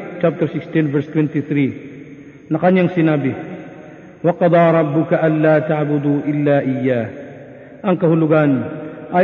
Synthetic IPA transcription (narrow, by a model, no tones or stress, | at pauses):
t͡ʃap̚t̪ɛɾsɪkst̪invɛɾst̪wɛnt̪ɪθɾi | nɐkɐɲaŋsɪnaːbɪ | wɑqɑd̪ˤɑːɾˤɑbːʊkaʔɐnlaːt̪aʕbʊd̪uːʔɪlːaːʔɪjːaːh | ʔɐŋkɐhʊlʊɡanʔa